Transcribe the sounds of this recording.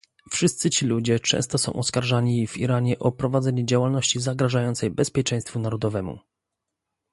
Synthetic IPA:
fʂɘst̪sɘt͡ɕilud͡ʑɛt͡ʂɛ̰w̃st̪ɔsɔ̰̃w̃ʔɔskaɾʐaɲivḭɾaɲɛʔɔpɾɔvad̪zɛɲɛd͡ʑawalnɔɕt͡ɕizaɡɾaʐajɔnt̪sɛjbɛspʲjɛt͡ʂɛ̃j̃st̪funaɾɔd̪ɔvɛmṵ

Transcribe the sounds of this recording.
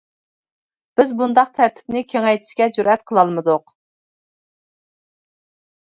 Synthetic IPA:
b̥ɪzbund̪ɑq̚t̪ʰæɾt̪ʰɪ̥p̚nɪkʲʰeŋɛjt̪ʰɪ̥ʃkʲɛd͡ʒuɾɛt̪̚qʰəlˠɑlˠmɨd̪ʊq

